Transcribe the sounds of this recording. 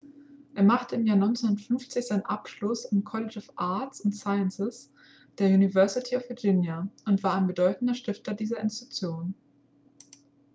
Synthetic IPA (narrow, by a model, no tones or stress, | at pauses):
ʔeːɐmaχtəɪmjaːɐnɔʏnt͡senʊntfʏnft͡sɪçz̥aɪnənʔapʃlʊsankʰɔlɪt͡ʃɔfʔaɐtsʊntsaɪənsɪs | d̥eːɐjuːnivɛɐsɪtʰiɔfv̥ɪɐd͡ʒɪnjaʔʊntv̥aːɐaɪnbədɔʏtn̩dɐʃtɪftɐdiːzɐɪ̰nstʁ̥ʊk̚t͡sjoːn